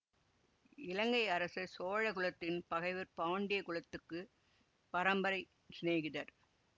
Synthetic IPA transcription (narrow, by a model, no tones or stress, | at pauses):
ɪlɐŋɡɐɪɐɾɐsɐsoːɻɐɣʊɭɐt̪ːɪnpɐɣɐɪʋɯɾpaːɳɖɪjɐkʊɭɐt̪ːɯkːɯ | pɐɾɐmbɐɾɐɪ | sneːɣɪðɐɾ